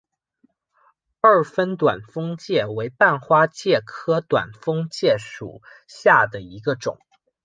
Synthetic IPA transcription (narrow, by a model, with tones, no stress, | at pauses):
ə˞˥˩fə˥nt̪wa˨˩nfɤ˥ŋt͡ɕjɛ˥˩we˧˥ɪpa˥˩nxwa˥t͡ɕjɛ˥˩kʰɤ˥t̪wa̰˨˩nfɤ˥ŋt͡ɕjɛ˥˩ʂṵ˨˩ | ɕja˥˩d̪ə˩i˧˥ɡə˧ʈ͡ʂʊ̰˨˩˦ŋ